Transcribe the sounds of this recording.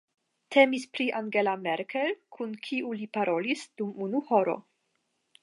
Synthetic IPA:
tʰemispɾiʔaŋɡe̞lameɾkʰelkʰunkʰiʔulipaɾo̞lisd̥umunuhoɾo̞̰

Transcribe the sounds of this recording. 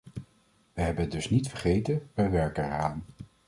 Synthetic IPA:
ʋəɦɛbənət̚dɵsnitfəɹχejtənʋɛjʋɛɹkəχaːn

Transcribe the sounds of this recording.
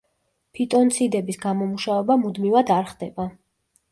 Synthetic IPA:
pʰit̪ʼɔnt̪sʰid̪ɛbisɡamɔmuʃavɛbamud̪mivad̪aɾχd̪ɛba

